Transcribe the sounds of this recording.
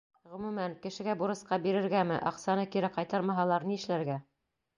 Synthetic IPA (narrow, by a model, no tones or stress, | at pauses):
ʁɵ̆mʉmænkɘ̆ʃɘ̆ɡæbuɾɤ̆sqɑbiɾɘ̆ɾɡæmɘʔɑqsɑnɤkiɾɘqɑjt̪ɑɾmɑɦɑlˠɑɾniɘ̆ʃlæɾɡæ